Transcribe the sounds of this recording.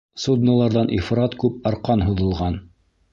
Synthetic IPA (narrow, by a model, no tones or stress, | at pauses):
sud̪nəlˠɑɾðɑnʔifɾɑt̪kʉp̚ɑɾqɑnɦuðɤ̆lˠʁɑn